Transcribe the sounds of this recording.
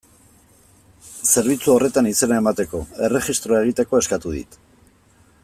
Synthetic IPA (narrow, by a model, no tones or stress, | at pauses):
se̞ɾβ̞it͡suore̞t̪anise̞nae̞mat̪e̞ko̞e̞re̞χist̪ɾoae̞ɣ̞it̪e̞ko̞e̞skat̪uðḭt̪